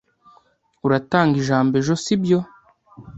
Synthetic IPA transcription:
uɾataːŋɡiʒaːmbe̞ʒosibjo

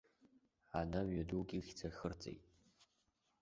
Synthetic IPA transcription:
anaɥɥaduɡʲixʲt͡sʰaxɨrt͡sʼḛjtʼ

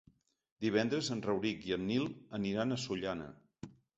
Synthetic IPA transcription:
d̪iβ̞ɛnd̪ɾəzənrəwɾikiənːilˠəniɾanəsuʎanə̰

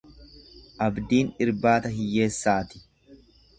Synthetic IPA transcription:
ʔɐbd̪iːnɪɾbaːt̪ɐɦɪjːe̞ːsːaːt̪ɪ̥

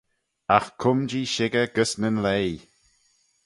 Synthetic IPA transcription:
axkʰʊmd͡ʒiːʃɪɡəɡəsnənlej

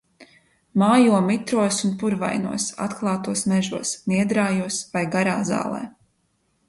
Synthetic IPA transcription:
maːjuɔmit̪ɾuɔsunpuɾva̰jnṵɔsa̰t̪klˠɑːt̪uɔsmɛʒuɔsniɛd̪ɾaːjuɔsvajɡaɾaːza̰ːlˠɛ̰ː

